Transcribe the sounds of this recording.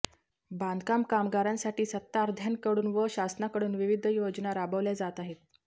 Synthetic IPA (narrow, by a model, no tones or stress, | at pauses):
band̪ʱkamkamɡaɾãnsaʈiːsət̪ːaɾd̪ʱjankəɽuːnʋəɕasnakəɽuːnʋiʋid̪ʱjod͡znaɾabəʋljad͡zat̪aɦet̪̚